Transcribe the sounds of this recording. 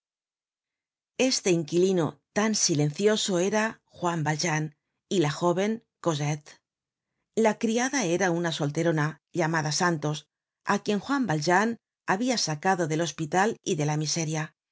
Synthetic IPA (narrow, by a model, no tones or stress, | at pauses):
e̞st̪e̞iŋkilino̞̰t̪ansile̞n̟θjo̞so̞e̞ɾa | xwambalʒan | ilaxo̞β̞e̞ŋko̞zet̪ | lakɾiaðae̞ɾaunaso̞lt̪e̞ɾo̞na | ʎamaðasant̪o̞s | akje̞ŋxwambalʒan | aβiasakaðo̞ðe̞lo̞spit̪aliðe̞lamise̞ɾja